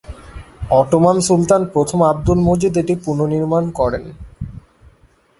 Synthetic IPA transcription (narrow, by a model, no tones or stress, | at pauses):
ɔʈomansult̪anpɾot̪ʰomab̚d̪ulmod͡ʑud̪eʈipuɾnoniɾmankɔɾen